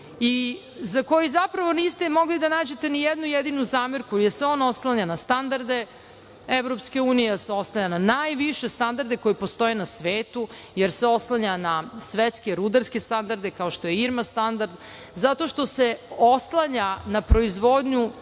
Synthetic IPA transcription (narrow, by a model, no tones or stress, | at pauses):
i | zako̞jizapɾaʋo̞nist̪emo̞ɡlid̪anaːd͡ʑet̪enijed̪nujed̪inuzaːmeɾkujeɾseo̞no̞slˠaɲanast̪and̪aɾd̪e̞ | eʋɾo̞pskeuːnijeseo̞slˠaɲananaːjʋiʃe̞st̪and̪aɾd̪eko̞jipo̞st̪o̞jenasʋeːt̪u | jeɾseo̞slˠaɲanasʋet̪ske̞ɾud̪aɾske̞st̪and̪aɾd̪e̞kao̞ʃt̪o̞jeiɾmast̪and̪aɾd̪ | zat̪o̞ʃt̪o̞se̞oslˠaɲanapɾo̞izʋo̞d̪ɲu